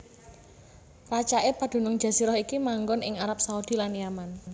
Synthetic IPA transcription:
rat͡ʃaʔepad̥o̤nʊŋ̥d͡ʒ̥a̤siɾɔɦikimaŋɡɔnɪ̰ŋaɾap̚saud̪̥ilanjaman

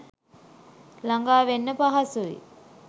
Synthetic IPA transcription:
laŋɡaːʋenːəpaɦasuḭ

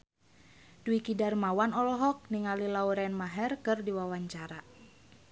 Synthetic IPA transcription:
duwikidarmawanɔlɔɦɔk̚niŋalilauɾɛnmaɦɛrkɨrdiwawaɲt͡ʃaɾa

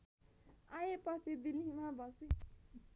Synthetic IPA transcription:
ajepʌsʰid̪ilimãbʌsi

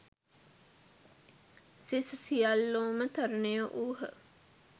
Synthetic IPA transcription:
sesusijalːoːmət̪ɐɾunejəʔuːɦə

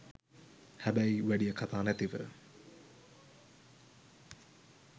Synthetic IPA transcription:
hæbæiʋæɖijəkʰat̪aːnæt̪iʋə̰

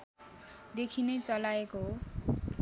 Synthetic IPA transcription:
d̪ekʰinʌjt͡sʌlaekoɦo

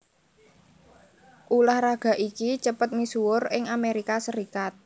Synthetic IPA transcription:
ʔulahraɡ̥ä̤ʔikit͡ʃəpət̪̚misuʊrɪŋameɾikasəɾikat̪̚

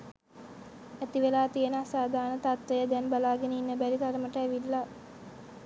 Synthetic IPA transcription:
æt̪iʋelaːt̪ijənəasaːd̪ʱaːnət̪at̪ʋəjəd̪ɛnbalaːɡenəinːəbæɾit̪aɾəməʈəæʋilːa

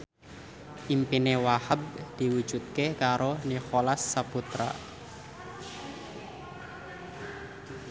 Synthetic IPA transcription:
ʔimpinewahəb̚d̪̥i̤wu̥ʒ̥ut̪̚kekaɾonixolasːaput̪ɾa̰

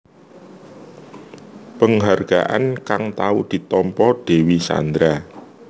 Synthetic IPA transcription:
pəŋɦarɡ̥a̰ʔankaŋt̪aud̪̥i̤t̪ɔmpɔd̪̥e̤wisa̰nd̪ɾa

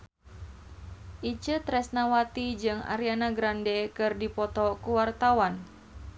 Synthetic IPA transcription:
ʔit͡ʃət̪ɾɛsnawat̪id͡ʒɨŋa̰ɾianaɡɾandɛkɨrdipɔt̪ɔkuwart̪awan

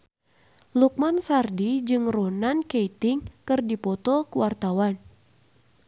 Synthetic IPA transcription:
luk̚mansardid͡ʒɨŋrɔnankeit̪ɪŋkɨrdipɔt̪ɔkuwart̪awan

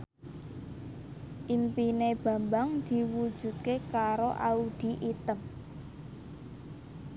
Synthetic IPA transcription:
ʔimpineb̥ä̤mbaŋd̪̥i̤wud̥ʒ̥ṳt̪̚kekaɾoʔaud̪̥i̤ʔit̪əm

